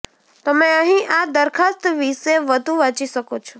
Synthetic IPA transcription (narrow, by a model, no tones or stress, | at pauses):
t̪əmeəɦĩʔad̪əɾkʰast̪ʋiʃeʋəd̪ʱũʋãt͡ʃiʃəkot͡ʃʰɔ